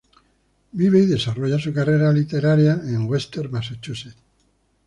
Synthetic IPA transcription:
biβejðe̞saro̞ʝasukareɾalit̪e̞ɾaɾeaeŋɡwest̪e̞ɾmaset͡ʃuset̪

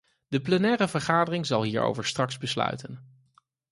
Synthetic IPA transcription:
dəplɛnɛːrəvəɹχaːdərɪŋzɑlˠɦiːɹo̰wvəɹstrɑkzbəslœ̰ɥtən

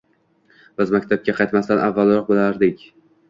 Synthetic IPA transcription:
b̥ɪzmakʲt̪ʰab̚kʲaqʰɑjt̪mast̪anʔavːalˠɾɒq̚bɪlaɾd̪ɪkʲ

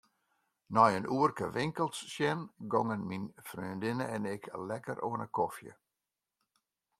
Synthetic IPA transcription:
nɔjənuərkəʋɪŋkəlˠsːjɛnɡɔŋənminfryəndɪnəɛnɪkʰlɛkə̰rʔoənəkʰɔfjə̰

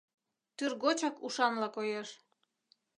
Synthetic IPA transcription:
t̪yrɣot͡ɕɑkuʃɑnlɑkojeʃ

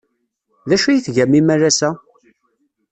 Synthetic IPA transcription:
ðæʃujiθʝæmːimærːæsæ

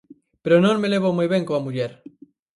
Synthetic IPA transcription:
peɾonõŋmeleβ̞omɔjβẽŋkoamuʎɛɾ

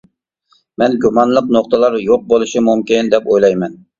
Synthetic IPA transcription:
mɛnɡʲumɑnlˠəqnoqt̪əlˠɑɾjoq̚bolˠɨʃimumkʲɪnd̪ɛpojlˠɑjmɛn

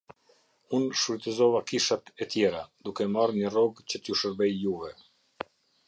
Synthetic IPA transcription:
unʃfit̪əzɔvakiʃat̪ɛt̪jɛɾad̪ukɛmarɲərɔɡt͡ɕət̪juʃəɾbɛjjuvɛ

